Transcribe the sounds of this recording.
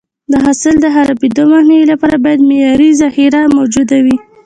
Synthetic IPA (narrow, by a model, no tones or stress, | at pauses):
d̪əɦasəld̪əɦaɾabid̪omahnawilapɑɾabɑjad̪mejɑɾizahiɾamawd͡ʒud̪awi